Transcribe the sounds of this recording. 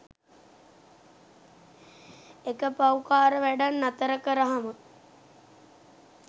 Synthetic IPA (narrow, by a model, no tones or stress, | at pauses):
ekəpawkaːɾəʋæɖanːat̪əɾəkəɾəɦamə